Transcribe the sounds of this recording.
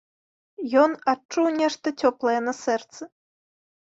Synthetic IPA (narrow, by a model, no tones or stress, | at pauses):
jɔnat͡ʂːuwnʲɛʂt̪ɐtʲɔplˠɐjɛnɐsɛrt̪sɨ